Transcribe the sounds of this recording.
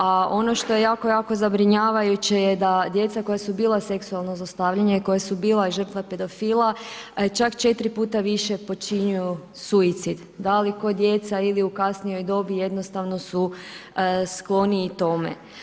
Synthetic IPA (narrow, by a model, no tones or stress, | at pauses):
ao̞no̞ʃt̪o̞je̞jaːko̞jaːko̞zabɾiɲaːʋajut͡ɕejed̪ad̪je̞t̪sako̞jasubiːlˠase̞ksualˠnozast̪aʋʎaɲeiko̞jasubiːlˠaiʒr̩t̪ʋape̞d̪o̞fiːlˠat͡ʃakt͡ʃe̞t̪ɾipuːt̪aʋiʃe̞po̞t͡ʃiɲuju | suit̪sid̪ | d̪aliko̞d̪je̞t̪sailiukasnijo̞jd̪o̞bijed̪no̞st̪aʋno̞su | sklˠo̞niːt̪o̞mḛ